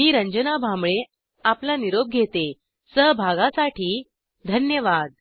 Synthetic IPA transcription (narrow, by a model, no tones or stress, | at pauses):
miːɾəɲd͡ʑənabʱamɭe | aplaniɾob̚ɡʱet̪e | səɦbʱaɡasaʈʰiː | d̪ʱənjəʋad̪̚